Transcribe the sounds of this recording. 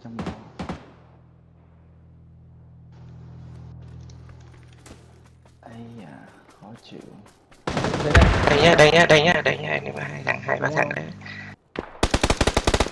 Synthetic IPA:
t͡ɕa˧mɔ˧˦ | ʔa˧jaː˨˩ | xɔ˨˦t͡ɕḭ˧˩˨ | ɗə˧jɲaː˧ɗə˧jɲaː˧ɗə˧jɲaː˧˨ɗə˧jɲa̰ː˧ə˧jnɨ̰˨˧˦ŋmaː˨˧˩ɦaː˧jt̪ʰa̰ː˨˩˦ŋɦaː˧jɓaː˧t̪ʰa̰ː˨˧˩ŋɗə̰˧˦

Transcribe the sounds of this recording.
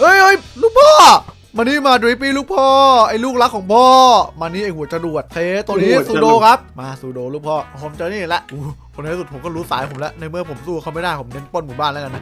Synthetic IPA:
ʔɤ˧˩jʔɤ˧˩jluː˥˩k̚pʰɔː˥˩ | maː˧niː˦˥˩maː˧dɾi˧˦p̬iː˧˥˩luː˥˩k̚pʰɔː˥˩ʔa˧jluː˥˩k̚la˦˥kʰːɔː˨˩˦ŋpʰɔː˥˩maː˧niː˥˩ʔeː˧˩hu˨˩˦ət͡ɕa˧du˨˩ət̪̚sʰeː˧˦˩t̪o˧ŋniː˦˥suː˧doː˧kʰa˦˥p̚maː˧suː˨˧doː˧luː˥˩k̚pʰɔː˧˥˩pʰo˨˦mt͡ɕa˧niː˥˩˨lɛ˦˥ʔʔuː˧˩kʰo˧na˦˧˥su˨˩t̚pʰo˨˦kɔː˥˩ɾuː˦˥saː˨˩˦jpʰo˩˦mlɛ˦˥ʔna˧jmɯ˥˩ɐpʰo˩˦msuː˧kʰa˧˥˩ma˥˩jdaː˥˩jpʰo˩˦mne˦˥npo˥˩nmuː˨˩˦baː˥˩nla˦˥ka˧nːa˦˥

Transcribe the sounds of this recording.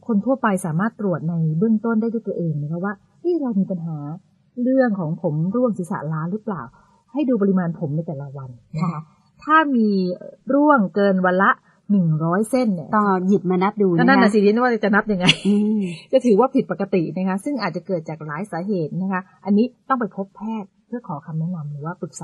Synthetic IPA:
kʰo˧nt̪ʰu˥˩əpa˧jsaː˩˦maː˥˩t̪ːɾu˨˩ət̪̚na˧jbɯ˥˩əŋt̪o˥˩ndaː˥˩t̪uː˥˩t̪ːʔeː˧ŋna˦˥kʰa˦˥waː˥˩ | ʔa˦˥˩ɾa˧wmiː˧pa˧nɦaː˩˦ | ɾɯ˥˩əŋkʰɔː˩˦ŋpʰo˩˦mɾu˥˩əŋsi˨˦sa̰˨˩laː˦˥nɾɯ˦˥plaː˨˩w | ha˥˩jduː˧p̬a˧i˧maː˧npʰo˩˦mna˧jt̪ɛː˨˩la˦wa˧nna˦˥kʰa˦˥ | t̪ʰaː˥˩miː˧ɾu˥˩əŋkɤː˧nwa˧nla˦˥ʔ | nɯ˨˩ŋɾɔː˦˥jse˥˩nːi˦˥˩t̪ɔ˥˩ŋji˨˩p̚maː˧na˦˥p̚duː˧˥˩na˥˩na˧˨˩siː˨˩ji˧˥˦waː˥˩t͡ɕa˨˩na˦˥p̚ja˧ŋːa˧jt͡ɕa˧˩t̪ʰɯː˨˩˦waː˥˩pʰi˨˩t̪̚pa˨˩ka˧t̪i˨˩na˦˥kʰa˦˥sɯ˥˩ŋʔaː˨˩t̪̚t͡ɕa˨˩kɤː˨˩t̪̚t͡ɕaː˨˩k̚laː˨˦jsaː˩˦ɦeː˨˩t̪̚na˦˥kʰa˦˥ | ʔa˧nːiː˦˥t̪ɔ˥˩ŋp̬a˧jpʰo˦˥pʰːɛː˥˩t̪̚pʰɯ˥˩əkʰɔː˩˦kʰa˧mnɛ˦˥na˧mɾɯː˩˦waː˥˩pɯ˨˩k̚sa˨˦

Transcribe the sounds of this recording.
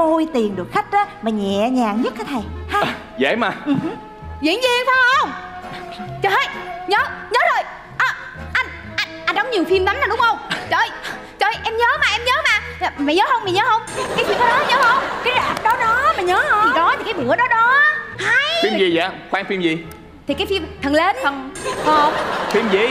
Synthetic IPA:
o˧jt̪i˨˩ə˩nɗɨ˨˩ək̚xa˦˥k̟̚ɗaː˨˦maː˨˩ɲɛ̰˧˨ɲaː˨˩ŋɲə˦˥t̚kːaː˨˦jt̪ʰa˨˩jha˧˩˨ | zḛː˧˥˦maː˨˩ʔ̩˨˩ɦ | zḭ˧˨˥ŋzi˧ŋfaː˨˧˦ə˧˦ə˧wŋ͡m | t͡ɕə˧˩he˨˧˦t̚ɲəː˨˦ɲəː˨˦zo˨˩j | ʔəː˨˩ | ʔa˧n | ʔa˧nʔa˧nɗɔ˨˦wŋ͡mɲi˨˩əwfi˧mɗ̪a˨˦naː˨˩ɗʊ˨˦ŋ͡mhə˧wŋ͡mt͡ɕə˧˩j | t͡ɕəː˧˩jʔɛ˧mɲəː˨˦maː˨˩ʔɛ˧mɲəː˨˦maː˨˩˨ | ma˨˩ɲəː˨˦ɦə˧wŋ͡mma˨˩ɲəː˨˦hə˧wŋ͡mkaː˨˦fi˧mkɔ˨˧˦ɗɔ˨˦ɲəː˨˦hə˧wŋ͡mkaː˨˦jzaː˨˩p̚ɗɔ˨˦ɗɔ˨˦maː˨˩ɲəː˨˦hə˧i˨˩kɔ˨˦t̪ʰi˨˩kaː˨˦jɓɨ˨˧˩əɗɔ˨˦ɗɔ˨˦ha˧jfi˧˨zi˨˩za̰ː˨˧˦xwaː˧˦ŋfi˧mzi˨˩ | t̪ʰi˨˩kaː˨˦jfi˧mt̪ʰə˨˩nle˧nt̪ʰə˨˩nho˧˨ə˧˩wŋ͡mfi˧mzḭ˧˨

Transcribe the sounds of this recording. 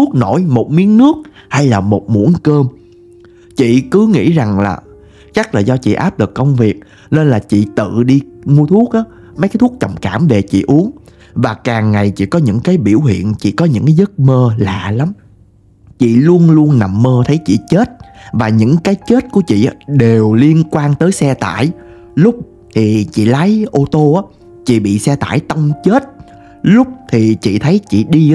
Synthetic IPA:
u˦˥k̚no˧˩jmo˨˩t̚mi˨˦ənnɨ˦˥ək̚ | ha˧jlaː˨˩mo˨˩t̚mṵ˧˥ənkəː˧m | t͡ɕḭ˧˨kɨ˨˦ŋḭ˧˥za˨˩ŋlaː˨˩ | t͡ɕa˦˥k̚laː˨˩zɔ˧t͡ɕḭ˧˨ʔaː˦˥p̚lɨ˨˩kːə˧wŋ͡mvi˨˩ək̚ | ne˧nlaː˨˩t͡ɕḭ˧˨t̪ɨ̰˧˨ɗi˧ŋu˧t̪ʰu˦˥ək̚ʔaː˨˦ | m˨˦kaː˨˦t̪ʰk̚t͡ɕə̰˨˩wŋ͡mkaː˧˩mve˨˩t͡ɕḭ˧˨ʔu˨˦əŋ | vaː˨˩kaː˨˩ŋːa˨˩jt͡ɕḭ˧˨kɔ˨˦ɲɨ̰˧˥ŋkaː˨˦jɓi˧˩əwɦḭ˧˨ənt͡ɕḭ˧˨kɔ˨˦ɲɨ̰˧˥ŋkaː˨˦jzə˦˥t̚məː˧la̰ː˧˨la˨˦m | t͡ɕḭ˧˨lu˧ənlu˧ənːa˨˩mːəː˧t̪ʰə˨˦jt͡ɕḭ˧˨t͡ɕe˦˥t̚vaː˨˩ɲɨ̰˧˥ŋkaː˨˦jt͡ɕe˦˥t̚ku˧˩ət͡ɕḭ˧˨ʔa˨˦ɗe˨˩wli˧ənkwaː˧ŋt̪əː˨˦jsɛ˧t̪a̰ː˧˨j | lʊ˦˥k͡p̚ | t̪ʰi˨˩t͡ɕḭ˧˨la˨˦jʔo˧t̪o˧ʔaː˨˦ | t͡ɕḭ˧˨ɓḭ˧˨sɛ˧t̪a̰ː˧˩˨jt̪ə˧wŋ͡mt͡ɕe˦˥t̚ | lʊ˦˥k͡p̚t̪ʰi˨˩t͡ɕḭ˧˨t̪ʰə˨˦jt͡ɕḭ˧˨ɗi˧

